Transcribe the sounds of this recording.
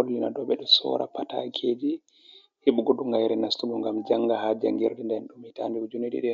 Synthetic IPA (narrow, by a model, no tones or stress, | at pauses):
olːinadɔɓɛɗɔsɔ̰ɾa̰pata̰kʰed͡ʒi | hiɓuɡɔɗuŋɡajɾɛnastuɡɔŋɡamd͡ʒaŋɡahad͡ʒa̰ŋɡiɾdɛndɛnɗumitandiud͡ʒuneɗḭɗɛ